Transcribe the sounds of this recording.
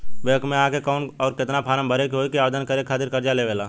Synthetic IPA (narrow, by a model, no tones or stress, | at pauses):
bekmẽãkekɔʊnɔːɾkɪt̪napʰaːɾəmbʱəɾekɦokiaːʋed̪ənkəɾekʰaːt̪ɪɾkəɾd͡ʒaleʋeːlaː